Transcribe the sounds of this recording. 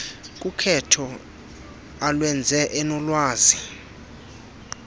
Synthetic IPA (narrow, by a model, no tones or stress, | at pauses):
k̬ʼukʰɛtʰɔ | alwɛnd͡zʱɛʔɛnɔlwaːzi